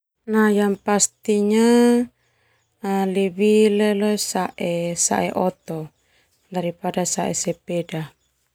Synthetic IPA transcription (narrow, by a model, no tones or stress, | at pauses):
najaŋpast̪iɲa | liwilelɔsaʔɛsa̰ʔɛ̰ʔɔt̪ɔ | daɾipadasaʔɛ̰sɛpeda